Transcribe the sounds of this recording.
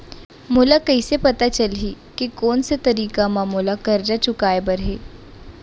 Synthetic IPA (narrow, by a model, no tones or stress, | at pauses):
mʊlakɐisepɐt̪at͡ʃɐlɦi | kikɔːnset̪ɐɾiːkamãmoːlakɐɾd͡ʒat͡ʃʊkaːebɐɾɦeː